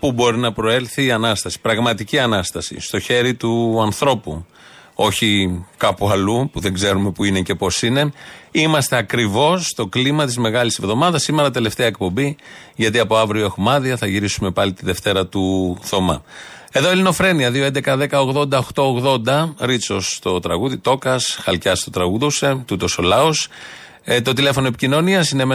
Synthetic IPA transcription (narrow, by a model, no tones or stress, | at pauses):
pubo̞ɾinɐpɾo̞e̞lθiːɐnɐst̪ɐsi̥pɾɐɣmɐt̪iciɐnɐst̪ɐsḭst̪o̞çe̞ɾit̪uɐnθɾo̞pu | o̞çikɐpuɐlupuðe̞ŋɡze̞ɾume̞puinece̞po̞sine̞imɐst̪e̞ɐkɾivo̞sːt̪o̞klimɐt̪izme̞ɣɐlisevðo̞mɐðɐsːime̞ɾɐt̪e̞le̞ft̪e̞ɐek̚po̞biʝɐt̪iɐpo̞ɐvɾio̞exmɐðiɐθɐʝiɾisume̞pɐlit̪iðe̞ft̪e̞ɾɐt̪uθo̞mɐ̰ | e̞ðo̞elino̞fɾe̞niɐðio̞end̪ekɐðe̞kɐo̞ɣðo̞nd̪ɐoxt̪o̞oɣðo̞nd̪ɐɾit͡so̞st̪o̞t̪ɾɐɣuðit̪o̞kɐsxɐlcɐst̪o̞t̪ɾɐɣuðoset̪ut̪o̞so̞lɐos | t̪o̞t̪ile̞fo̞noepi̥cino̞niɐsineme